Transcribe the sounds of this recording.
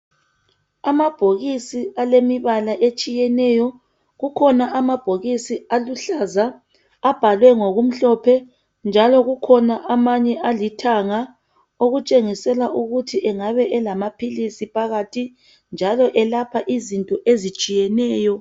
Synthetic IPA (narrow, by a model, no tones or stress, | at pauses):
amab̥ʱoɣisialemiβalaʔet͡ʃʼijɛnɛjɔ | ɣukʰɔnaʔamab̥ʱoɣisialuɬazaː | b̥ʱalwɛŋoɣum̩ɬɔpʰɛ | nd͡ʒʱalɔɣukʰɔnaʔamaɲɛʔalitʰaŋa | oɣut͡ʃʼeŋisɛlaʔuɣutʰiɛŋaβɛʔɛlamapʰilisipʰaɣatʰi | nd͡ʒʱalɔʔɛlapʰaʔizintʼɔʔezit͡ʃʼijɛnɛːjɔ